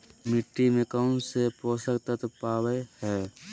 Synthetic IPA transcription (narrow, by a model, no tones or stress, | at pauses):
mɪʈːimẽkənsepɾoːsəkt̪ət̪paːwehɛː